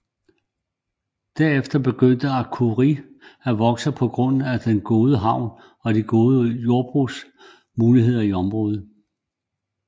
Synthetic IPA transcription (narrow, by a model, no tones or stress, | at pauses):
d̥æɐ̰efd̥ɐb̥e̝ɡ̥øn̰d̥əɑ̈kʰuʁi | æʋɒ̽ɡ̥səpʰɒ̽ɡ̥ʁɔ̽n̰æd̥enɡ̥o̝ːðˠəɦɑ̈ʊ̰n | ɒ̽d̥iɡ̥o̝ːðˠəjo̝ɐb̥ʁus | muːliɦe̝ð̞̰ˠɐiɒ̽mʁɔ̽ːð̞̩ˠ